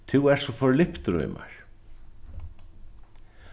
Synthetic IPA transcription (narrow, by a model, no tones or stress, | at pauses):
t̪ʰuwɛɾ̥sɔfɔɾlɪhpt̪ɾœ̰ːma̰ɹ̥